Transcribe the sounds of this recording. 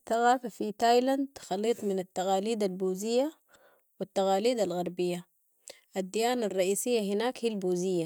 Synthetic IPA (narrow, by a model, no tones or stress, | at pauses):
θaɣaːfafit̪ajland̪xɑlːiːt̪ˤminat̪ːaɣaːliːd̪albuːzijːa | wit̪ːaɣaːliːd̪alɣɑɾˤbijːa | ʔad̪ːijaːnarˤːɑʔiːsijːaɦinaːkhilbuːzijːa